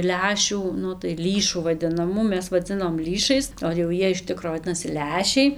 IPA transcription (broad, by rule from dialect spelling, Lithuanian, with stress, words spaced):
ˈlʲæːʃʲuː ˈnʊ tɐɪ ˈlʲiːʃuː ʋɐdʲɪnɐˈmuː ˈmʲɛs ʋɐˈd͡zʲɪnoːm ˈlʲiːʃɐɪs oː jɛʊ ˈjiɛ ɪʃ ˈtʲɪkroː ʋɐˈdʲɪnɐsʲɪ ˈlʲæːʃʲɛɪ